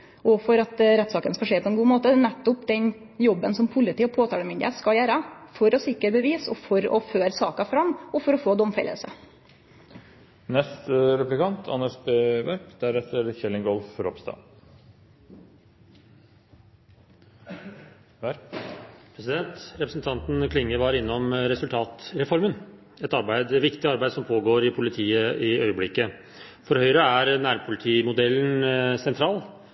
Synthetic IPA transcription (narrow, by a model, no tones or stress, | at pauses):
ʔɔfɔɾɑt̪ɾɛt̪ːsɑːkənskɑʂeːpʰɔɛnɡuːmoːt̪ənɛt̪ːʊpd̪ɛn | jɔbːənsɔmpʰʊlɪt̪iːɔpʰoːt̪ʰɑːləmɪnd̪ɪəskɑjæːɾɑfɔɾɔsɪkːəɾbəʋiːsɔfɔɾɔ̰føːɾsɑ̰ːkɑfɾɑmːɔfɔɾɔfoːd̪ɔmfɛ̰lːə̰lsə̰ | nɛst̪əɾɛplɪkʰɑnt̪ʰɑ̰nəʂbeːʋɛɾpd̪æɾɛt̪ːəɾçɛlːɪŋɡɔlfɾɔ̰pst̪ɑ̰ː | pʰɾɛsɪd̪ɛnt̪ɾɛpɾəsnt̪ʰɑnt̪n̩kʰlɪŋːəɾʋɑːɾɪnːɔmɾɛsʉlt̪ʰɑːt̪ɾɛfɔɾmən | ɛt̪ɑɾbæɪd̪ɛʋɪkt̪ɪɑɾbæɪd̪sɔmpʰoːɡoːɾɪpʰʊlɪt̪ʰiːəʔɪœʏəblɪkːə | fɔɾhœʏɾəæɾnæːɾpʰʊlɪt̪ʰiːmʊd̪ɛlːənsɛnt̪ʰɾɑːl